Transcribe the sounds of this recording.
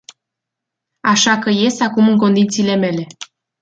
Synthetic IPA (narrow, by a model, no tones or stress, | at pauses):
aʃakəje̞st̪akumɨŋko̞nd̪it̪siːle̞me̞le̞